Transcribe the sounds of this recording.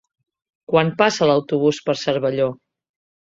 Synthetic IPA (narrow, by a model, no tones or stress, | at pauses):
kwanpasələwt̪uβ̞uspəɾsəɾβəʎo